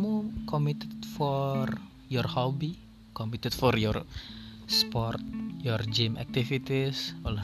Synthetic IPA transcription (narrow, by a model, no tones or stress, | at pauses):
mukɔmit̪ɛd̪fɔr | jɔrhɔbi | kɔmit̪ɛt̪̚fɔrjɔr | spɔrt̪̚jɔrd͡ʒimɛ̰k̚t̪ifit̪isɔla